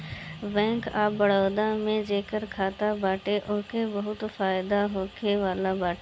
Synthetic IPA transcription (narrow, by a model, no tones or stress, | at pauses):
bɛ̃ːŋkaːbəɽoːd̪ãːmẽd͡ʒeːkəɾkʰaːt̪abaːʈeʔʊːkebɐɦʊt̪faːɪd̪aɦoːkʰeʋaːlabaːʈː